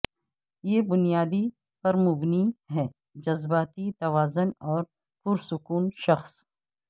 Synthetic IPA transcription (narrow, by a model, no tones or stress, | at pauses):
jeːbʊnijaːd̪i | pɐɾmʊbniɦɛː | d͡ʒɐzbaːt̪it̪ɐʋaːzʊnɔːɾ | kʊɾsʊkuːnʃɐxs